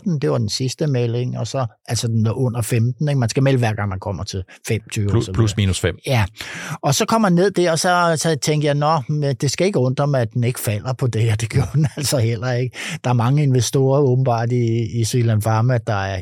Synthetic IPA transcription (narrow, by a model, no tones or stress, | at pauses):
d̥n̩d̥e̝ʋɑ̈d̥ensisd̥əmele̝ŋɒ̽sɒ̽ | æl̰sɒd̥enʔɔ̽n̰ɐfemd̥n̩e̝ɡ̥mænsɡ̥æmelʋæɐ̰ɡ̥ɑ̈ŋ̰mænkʰɒ̽m̰ɐt͡sʰe̝lfem̰t͡sʰyːʋslusmiːnusfem̰jæɒ̽sɒ̽kʰɒ̽m̰ːænːe̝ð̞̰ˠd̥æɐɒsɒ̽sɒt͡sʰeŋd̥əjɑɪnɒmed̥e̝sɡ̥æe̝ɡ̥əɔ̽n̰d̥ɒmæd̥ene̝ɡ̥əfæl̰ɐpʰɒ̽d̥e̝æd̥e̝ɡ̥jo̝ɐd̥n̩æl̰sɒ̽hel̰ɐe̝ɡ̥əd̥ɑ̈æɐmɑ̈ŋəe̝nʋesd̥o̝̰ːɐɔ̽ːb̥n̩b̥ɑ̰̈ːd̥iːsilænfɑ̈ːmæd̥ɑ̈æɐ